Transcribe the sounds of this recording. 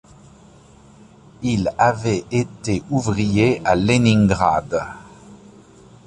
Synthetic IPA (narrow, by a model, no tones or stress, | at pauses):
ilavɛʔet̪eʔuvʁijealenĩŋɡʁad̪